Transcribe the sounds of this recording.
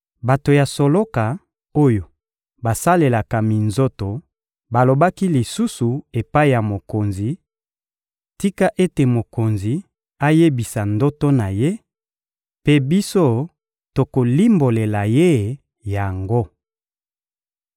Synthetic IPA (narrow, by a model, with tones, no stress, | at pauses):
ba˨to˨ja˨so˨lo˦ka˨ | o˦jo˨ | ba˨sa˦le˨la˨ka˨mi˨nzo˦to˨ | ba˨lo˨ba˦ki˦li˨su˦su˨e˨pa˦i˨ja˨mo˨ko˨nzi˨ | ti˦ka˦ʔe˦te˨mo˨ko˨nzi˨ | a˦je˦bi˨sa˨ndo˦to˦na˨je˦ | pe˦bi˦so˦ | to˨ko˨li˦mbo˨le˨la˨je˦ | ja˨ŋɡo˦